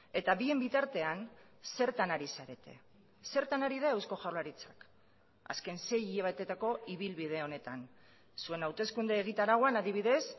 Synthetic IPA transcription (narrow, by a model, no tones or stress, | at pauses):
e̞t̪aβie̞mbit̪aɾt̪e̞an | se̞ɾt̪anaɾisaɾe̞t̪e̞ | se̞ɾt̪anaɾið̞ae̞wsko̞ʝawlaɾit͡sḁk | a̰ske̞nse̞jiaβat̪e̞t̪ako̞iβ̞ilβið̞e̞o̞ne̞t̪an | sue̞nawt̪e̞skund̪eːɣ̞it̪aɾaɣoanaðiβ̞iðe̞s